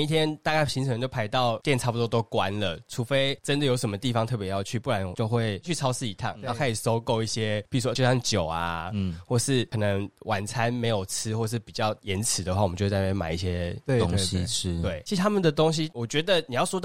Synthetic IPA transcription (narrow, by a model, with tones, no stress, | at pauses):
i˥˩t̪ʰjɛ˥nt̪a˥˧ka˥˩ɪɕi˧˥ŋʰə˧˦ŋt͡ɕo˥ʊpʰa˧˥ɪt̪ɑ˥˨ʊt̪jɛ˥˩nʈ͡ʂʰa˥˩pu˩t̪wɔ˥t̪o˥ʊkwa˦nlə˨ʈ͡ʂʰu˧˥fe˥ɪʈ͡ʂə˦˥nd̪ə˨jo˧˥ʊʂə˧˦mə˦t̪i˥˩fɑ˨˧ŋt̪ʰɤ˥˩p̬jɛ˧˥jɑ˥˧ʊt͡ɕʰy˥˩pu˥˩ɻa˨˦n˨t͡ɕjo˥˧ʊxwe˥˩ɪt͡ɕʰy˥˩ɑ˥ʊsɹ̩˥˩i˨˩t̪ʰa̰˥˩ŋna˨˥kʰa˧˥i˨˩so˥ʊko˥˧ʊi˥˩ɕjɛ˥pi˨˩u˩˥wɔ˧˥jo˥˧˩ɕɑ˥˩ŋt͡ɕjo˨˩ʊa̰˦xwɔ˥˩ʂɻ̩˥˩kʰɤ˨˩nə˧˦ŋwʔa˨˩nt͡sʰa˦nme˧˥ɪjo˨˩ʊt͡sʰɻ̩˥xwɔ˥˧ʂ̬ɻ̩˥˩pi˨˩t͡ɕjɑ˥˩ʊjɛ˧˥nt͡s̩ʰ˨˩d̪ə˦xwa˥˩˨m̩˨˦t͡ɕo˥˧˥t͡sa˥˧˩pe˥˩ma̰˨˩˦i˥˩ɕjɛ˦˥ŋɕʰwe˥˩ɪt͡ɕʰi˧˥˧t̪ʰa˥mə˨nd̪ə˩t̪o˥ŋɕ̬i˦wɔ˨˩t͡ɕɥɛ˧˥d̪ə˨ni˨˩jɑ˥˩ʊʂwɔ˥t̪ɑ˥˩